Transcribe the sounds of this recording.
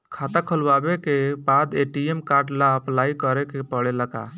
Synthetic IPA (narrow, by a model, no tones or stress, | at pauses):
kʰat̪akʰəlwabekebad̪eʈiemkaɾɖlaplaikəɾekepəɽeləɡa̰